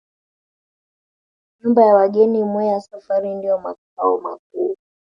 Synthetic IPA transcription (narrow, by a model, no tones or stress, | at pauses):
ɲumbajawaɠɛnimwɛɛjasafaɾindijɔma̰k̚aɔ̰ma̰k̚uː